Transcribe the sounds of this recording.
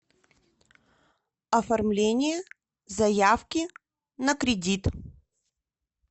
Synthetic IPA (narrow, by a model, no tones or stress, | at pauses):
ɐfɐrmlʲenʲɪjə | zɐjafkʲɪ | nəkɾʲɪdʲit̪